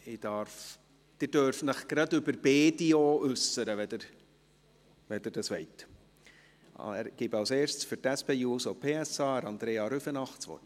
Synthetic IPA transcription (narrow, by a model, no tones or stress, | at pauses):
ɪd̥ɑɾf | d̥ɪɾd̥øɾfnəχɡ̥ɾɑdʏbəɾbeːdioːʔʉsəɾəʋɛd̥̪əɾ | ʋɛdəɾdɑsʋɛɪt | æ̰ɾɡ̥ibɑlseːʃt͡sfʏɾtæspeːuːsopʰeːɛsɑːəɾɑnd̥̪ɾeːɑɾyfənɑχt͡sʋɔ̰t